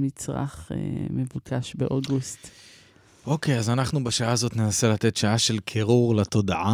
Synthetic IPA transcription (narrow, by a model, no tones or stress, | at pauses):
mit͡sʁa̰χḛmevukʰaʃbeʔoɡust | ʔo̞kejazanaχnubaʃaaːzo̞t̪nenaselat̪e̞tʃaaʃe̞lkʰeʁuʁlat̪o̞daʔa